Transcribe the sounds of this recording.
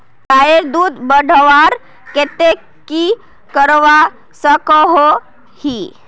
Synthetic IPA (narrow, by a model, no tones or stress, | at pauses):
kajeɾd̪uːd̪bəɽʱʋaɾ | ket̪e | ki | kəɾʋa | səkəɦo | hi